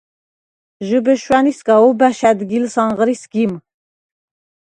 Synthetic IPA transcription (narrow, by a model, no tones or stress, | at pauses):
ʒɨbəʃwæniskaubæʃæd̪ɡilsɑɴʁəɾisɡim